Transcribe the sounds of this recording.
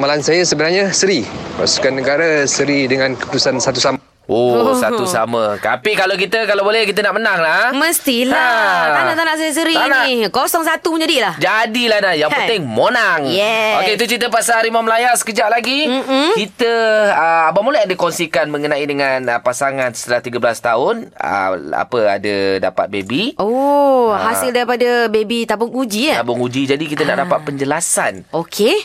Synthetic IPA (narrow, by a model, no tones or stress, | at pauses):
malansajasəbənarɲasəɾipa̰su̥kanːəɡaɾasəɾidəŋãnkə̥put̪usansat̪usama | ʔosa̰t̪usa̰ma̰t̪a̰pikalawk̬it̪əkalawbolɛhkit̪ənaʔmənaŋlahməst̪ilat̪aaʔt̪anaʔs̬ajas̬əɾit̪anakosɔŋs̬at̪umə̃ɲd͡ʒadilahd͡ʒadilahnajaŋəɪŋmonaŋjɛokkeit̪ut͡ʃit̪əp̬asaɾimaməlajarsə̥kəd͡ʒaʔlaɡit͡ʃit̪əəabamulaadəkɔnsikanmə̃ŋənãidəŋanpasaŋansə̥t̪əlaht̪iɡəbəlast̪aʊnə̰a̰pəa̰dəda̰pa̰t̪̚bebiohasɪldaɾipadabebit̪abʊŋud͡ʒit̪abʊŋud͡ʒid͡ʒadikit̪əna̰ʔdapat̪̚pəɲd͡ʒəlasa̰nokʰe